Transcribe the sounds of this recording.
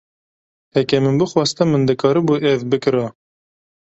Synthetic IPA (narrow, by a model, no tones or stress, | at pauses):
hɛkʲɛmɨnbɨxwɑst̪ɨmːɨnd̪ɨkʰɑːɾɨbuʔɛvbɨkɨɾɑ